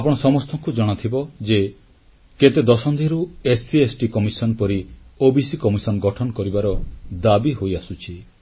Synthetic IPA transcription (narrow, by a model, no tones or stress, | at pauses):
apɔɽ̃ɔsɔmɔst̪ʰɔŋkud͡ʒɔɽ̃ɔt̪ʰibɔd͡ʒe | ket̪ed̪ɔsɔnd̪ʱiɾuesiesʈikɔmisɔnpɔɾiobisikɔmisɔnɔɡɔʈʰɔnɔkɔɾibaɾɔd̪abiɦojasut͡ʃʰi